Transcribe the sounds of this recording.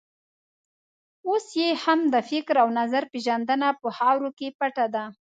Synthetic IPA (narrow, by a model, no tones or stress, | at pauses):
osjehamd̪əfɪkɾawnazaɾpeʒand̪ənapəhɑwɾokepaʈad̪a